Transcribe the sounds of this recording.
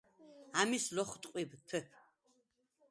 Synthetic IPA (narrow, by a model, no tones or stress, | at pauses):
amislɔχt̪ʼqʼibtʰɛpʰ